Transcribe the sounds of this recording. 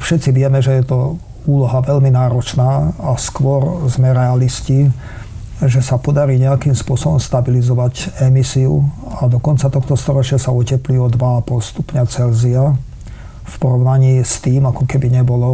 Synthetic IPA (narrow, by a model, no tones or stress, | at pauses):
fʃɛt̪t͡siʋɪɛmɛʒɛjɛt̪ɔ | uːlɔɦaʋɛʎminaːɾɔt͡ʃnaːaskʋɔɾzmɛɾɛalisci | ʒɛsapɔd̪aɾiːɲɛakimspʊɔsɔbɔmst̪abilizɔʋaɟɛmisiṵad̪ɔkɔnt͡sat̪ɔxt̪ɔst̪ɔɾɔt͡ʃɪasaɔcɛpliɔd̪ʋaapɔlst̪upɲat͡sɛlzia | fpɔɾɔʊnaɲiːst̪iːmakɔkɛbiɲɛbɔlɔ